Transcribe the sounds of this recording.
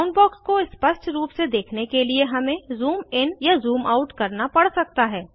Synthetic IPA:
ʊnbɔːkskoɪspɐʃʈʰɾuːpsed̪eːkʰnekelieɦɐmẽzuːmɪnjazuːmaʊʈkɐɾnapɐɽsɐk̚t̪aɦɛː

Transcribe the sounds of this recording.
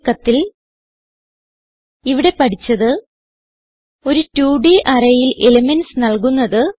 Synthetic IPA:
kːɐt̪ːil | iʋiɽe̞pɐʈit͡ɕːɐðɨ | o̞ɾutuːɖiʔɐrɐjilʔe̞lɐmensnɐɭkunːɐðɨ

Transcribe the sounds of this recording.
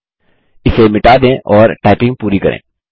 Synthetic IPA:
ɪsemɪʈaːd̪ẽːʔɔːɾʈaːɪpɪ̃ŋɡ̚puːɾikɐɾḛ̃ː

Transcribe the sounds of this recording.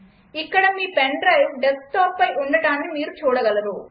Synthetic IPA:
ikːɐɽɐmiːpɛɳɖɾɐjʋɖɛsk̚ʈaːpːɐjʔuɳɖɐʈaːnːimiːɾut͡ʃuːɽɐɡɐlɐd̪u

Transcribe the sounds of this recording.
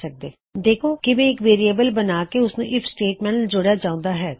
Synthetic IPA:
sək̚d̪eː | d̪eːkʰoːkɪmɛ̃ːɪkʋeːɾijebəlbənaːkeʊsnũːʔɪpʰsʈeːʈmɛ̃ːɳd͡ʒʊɽjaːd͡ʒãːʊ̃nd̪aːɦɛː

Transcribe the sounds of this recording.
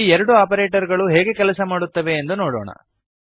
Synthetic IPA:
iɛɾɐɽuaːpɐɾeːʈɐɾɡɐɭuɦeːɡe̞kɛlɐsɐmaːɽut̪ːɐʋe̞ːnd̪unoːɽo̰ːɳɐ̰

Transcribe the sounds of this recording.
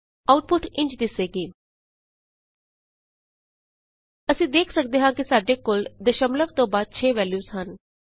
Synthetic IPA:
aʊʈ̚pʊʈɪ̃ɲt͡ʃd̪ɪseɡiː | əsĩːd̪eːkʰsək̚d̪eɦãkisaːɖekold̪əʃəmləʋt̪obaːd̪̚t͡ʃʰeːʋɛːljusɦən

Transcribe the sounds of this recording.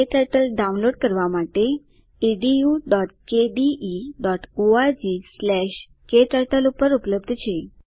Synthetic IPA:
keʈəɾʈəlɖaunloɽkəɾʋamaʈe | iɖijuɖɔʈkeɖiʔiɖɔʈoad͡ʑislɛɕ | keʈəɾʈəlupəɾupləbd̪ʱt͡ɕʰe

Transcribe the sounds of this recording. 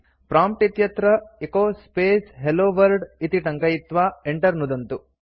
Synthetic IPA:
pɾaːmp̚ʈit̪jɐt̪ɾɐekoːspeːsɦeloːʋɐɾɖit̪iʈɐŋkɐjit̪ʋaːeɳʈɐɾnud̪ɐnt̪u

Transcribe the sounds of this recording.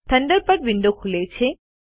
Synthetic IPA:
t̪ʰəɳɖəɾpəɾʋiɳɖokʰulet͡ʃʰe

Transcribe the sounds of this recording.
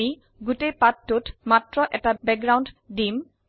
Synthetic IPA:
i | ɡutejpatːotmatɹɔʔɛtabɛk̚ɡɹawnddim

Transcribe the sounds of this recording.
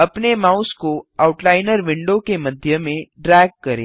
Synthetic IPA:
əpnemauskoauʈlaɪnəɾʋɪɳɖokeməd̪ʱjəmẽɖɾɛɡ̚kəɾḛ

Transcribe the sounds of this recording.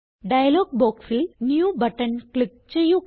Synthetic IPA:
ɖɐjɐloːɡ̚boːkfilnjuːbɐʈːɐnkɭik̚t͡ɕejːu

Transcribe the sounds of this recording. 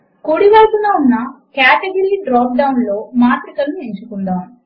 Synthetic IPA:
kuːɽiʋɐjkunɐunːɐkjaːʈeɡɐɾiːɖɾaːp̚ɖɐwunlo̞ːmaːt̪ɾikɐlnueɲt͡ʃukund̪aːmu

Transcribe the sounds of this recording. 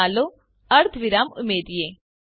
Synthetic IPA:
aːlo | ɐɾt̪ʰʋɪɾaːmʊ̰meːd̪ijeː

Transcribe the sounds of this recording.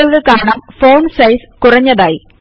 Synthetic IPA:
ɐlɣɐɭkaːɳɐmfoːnsɐjskʊrɐɲːɐðaːji

